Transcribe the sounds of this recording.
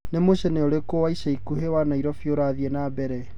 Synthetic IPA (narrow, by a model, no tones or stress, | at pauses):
nemoɕɛnɛɔɾekowaisaikuɦewanaiɾɔfjoɾaðiɛnabɛɾɛ